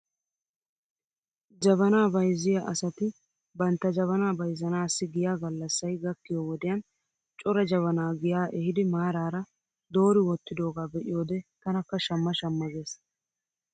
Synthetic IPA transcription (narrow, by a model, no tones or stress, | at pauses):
d͡ʒɐβɐnaːbɐjzːɪjɐʔɐsɐt̪ɪ | bɐnt̪ːɐd͡ʒɐβɐnaːbɐjzːɐnaːsːɪɡɪjaːɡɐlːɐsːɐjɡɐkːɪjoːwɔd̪ɪjɐn | t͡ʃʼɔɾɐd͡ʒɐβɐnaːɡɪjaːʔɛhɪd̪ɪmaːɾaːɾɐ | d̪o̞ːɾɪwɔt̪ːɪd̪o̞ːɡaːbɛʔɪjo̞ːd̪ɛt̪ɐnɐkːɐʃɐmːɐʃɐmːɐɡe̞ːs